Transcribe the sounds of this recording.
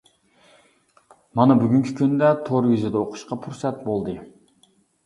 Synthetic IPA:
mɑnɑbyɡʲyŋkʲʰi̥kʲynd̪ɛt̪ʰoɾjizɪd̪ɛoqʰʊ̥ʃqɑpʰuɾsɛt̪̚bolˠd̪ɨ

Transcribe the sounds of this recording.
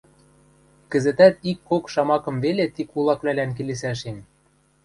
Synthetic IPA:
kɘ̆zɘ̆t̪æt̪ikːokʃɑmɑkɤ̆mvelet̪ikulˠɑkβlælænk̬eles̬æʃ̬en

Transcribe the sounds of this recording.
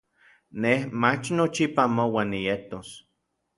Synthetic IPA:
nehmat͡ʃnot͡ʃipamowaːnːijet̪os

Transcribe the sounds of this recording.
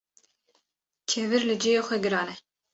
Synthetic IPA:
t͡ʃʰɛvɨɾlɨd͡ʒijɑːxʷɛɡɨɾɑːnɛ

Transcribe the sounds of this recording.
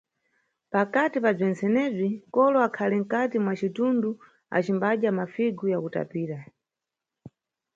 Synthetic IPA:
pakatipab͡ʐɛnt͡sɛnɛb͡ʐikɔlɔakʰaliŋ̩katimwat͡ʃitundu | a̰t͡ʃimbaɗamafiɡujakuta̰piːɾa

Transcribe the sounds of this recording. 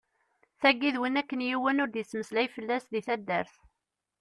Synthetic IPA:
θæɡːiðwənækːənjiwənʊɾd̪isːməslæjfəlːæsðiθæd̪ːəɾθ

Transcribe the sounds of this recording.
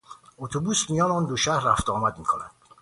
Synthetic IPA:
ot̪ʰobusmijɒːnɔːnd̪oʃæɾːæft̪ɒːmæd̪miːkʰonæ̰nd̪

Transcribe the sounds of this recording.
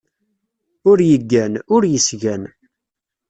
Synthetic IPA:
ʊɾjəɡːænʊɾjəsʝæn

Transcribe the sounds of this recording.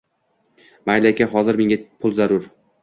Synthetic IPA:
majlakʲaɦɒzɪɾme̞ŋʲapʰʊlˠzaɾʊɾ

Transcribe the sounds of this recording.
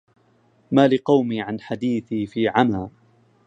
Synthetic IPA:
maːlɪqɑwmiːʕanħad̪iːθiːfiːʕamaː

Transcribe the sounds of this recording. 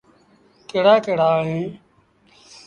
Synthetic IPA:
keːɽaːkeːɽaːɦẽː

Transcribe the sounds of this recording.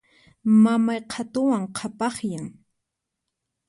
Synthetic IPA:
mamajqʰat̪ʊwaŋqʰapɑχjaŋ

